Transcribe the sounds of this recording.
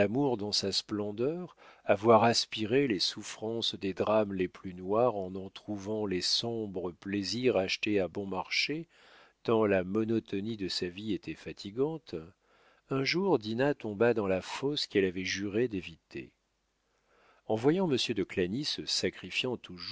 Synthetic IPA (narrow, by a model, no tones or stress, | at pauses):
amuʁd̪ɑ̃sasplɑ̃d̪œʁavwaʁaspiʁelesufχɑ̃sd̪ed̪ʁamleplynwaʁɑ̃nɑ̃t̪χuvɑ̃lesɔ̃bʁəpleziʁaʃt̪eabɔ̃maʁʃe | t̪ɑ̃lamɔnɔt̪ɔnid̪əsaviet̪ʰɛfat̪ʰiɡɑ̃t̪ | ɛ̃ʒuʁd̪inat̪ɔ̃bad̪ɑ̃lafɔskɛlavɛʒyʁed̪evit̪ʰḛ | ɑ̃vwajɑ̃məsjød̪əklanisəsakχifjɑ̃t̪ʰuʒ